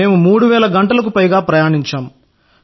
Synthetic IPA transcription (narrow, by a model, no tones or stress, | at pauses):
eːmumuːɽuʋɛːlɐɡɐɳʈɐlɐk̬upɐjɡaːpɾɐjaːɳiɲt͡ʃaːm